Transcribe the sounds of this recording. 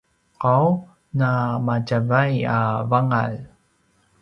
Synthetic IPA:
qaw | namacavajavaŋa̰l

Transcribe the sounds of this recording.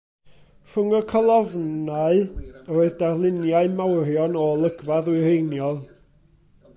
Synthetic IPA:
fʊŋɔkʰəlˠɔvnaɨoːɨðdarlˠɪnjaɨmawrjɔnɔlˠəɡvaðwɨrejnjɔlˠ

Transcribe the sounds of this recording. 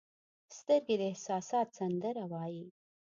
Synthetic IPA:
st̪əɾɡed̪əɪhsɑsɑt̪sand̪əɾawɑji

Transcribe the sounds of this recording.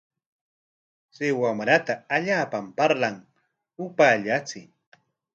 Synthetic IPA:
sɪwamɾat̪aːʎaːpampaɾlaŋ | ʊpaʎat͡sɪ

